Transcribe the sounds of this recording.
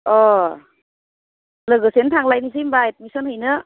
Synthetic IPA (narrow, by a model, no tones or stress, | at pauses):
ɔ | ləɡɯsentʰaŋlajnis̬ijmbaet̚misənhɯjnɯ